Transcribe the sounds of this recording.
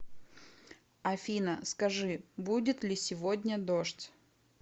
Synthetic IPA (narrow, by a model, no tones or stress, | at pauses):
ɐfʲinəskɐʐɨbudʲɪt̪lʲɪsʲɪvodʲnʲəd̪oʂtʲ